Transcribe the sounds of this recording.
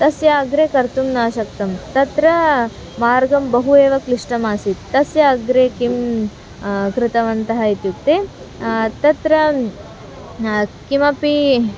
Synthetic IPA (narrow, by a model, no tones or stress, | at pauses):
t̪ɐsjaːɐɡɾeːkɐɾt̪umnaːʃɐkt̪ɐmt̪ɐt̪ɾɐ | maːɾɡɐmbɐɦueːʋɐkliʂʈɐmaːsit̪t̪ːɐsjɐɡɾeːkim | kɾɪt̪ɐʋɐnt̪ɐɦɐit̪jukt̪eː | t̪ɐt̪ɾɐ | kimɐpi